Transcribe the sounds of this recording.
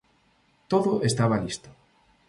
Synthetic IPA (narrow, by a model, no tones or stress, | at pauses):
t̪oðʊest̪aβ̞alist̪ʊ̥